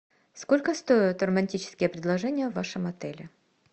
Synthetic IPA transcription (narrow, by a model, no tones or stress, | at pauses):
skolʲkəst̪ojʊt̪rəmɐnʲtʲit͡ɕɪ̥skʲɪjəpɾʲɪd̪lˠɐʐɛnʲɪjəvːaʂɨmɐt̪ɛlʲɪ